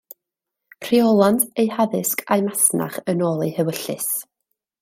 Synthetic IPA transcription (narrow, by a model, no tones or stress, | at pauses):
pʰr̥iɔlˠantʰejhaðɨskʰajmasna̰χənɔːlˠihəwəɬɨ̰s